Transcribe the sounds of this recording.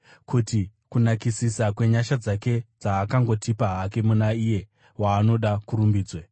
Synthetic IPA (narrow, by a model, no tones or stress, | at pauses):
kʰutikunakisisakwe̞ɲaʃad͡zake̞d͡zaːkaŋɡo̞tipaɦake̞munaije̞ | waːno̞ɗakuɾumbiːd͡zwe